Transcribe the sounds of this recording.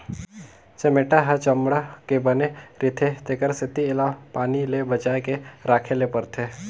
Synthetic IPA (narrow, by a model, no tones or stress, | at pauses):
t͡ʃɐmeʈaɦɛt͡ʃɐmɽakebəneɾɪt̪ʰet̪ekəɾsɪt̪iɪlapaːnilebət͡ʃaːekeɾaːkʰelepɐɾt̪ʰe